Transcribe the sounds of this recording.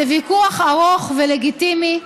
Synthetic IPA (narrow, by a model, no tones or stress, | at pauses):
evikuaχaʁoχveleɡit̪imi